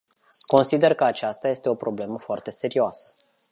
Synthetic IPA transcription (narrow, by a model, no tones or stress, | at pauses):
ko̞nsid̪e̞rkəat͡ʃast̪aje̞st̪e̞o̞pɾo̞ble̞məfoart̪e̞se̞ɾioasə̥